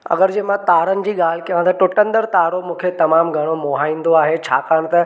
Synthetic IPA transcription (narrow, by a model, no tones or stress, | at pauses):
ɐ̰ɡəɾd͡ʑeːmãt̪aːɾənɪ̆d͡ʑiːɠaːl̤ɪkiãt̪ɐʈʊʈə̃nd̪əɾt̪aːɾomũːkʰet̪ɐmaːmɡʱɐɽ̃omoːɦaːĩːnd̪oaːɦet͡ɕʰa̰ːkaːɽ̃t̪ɐ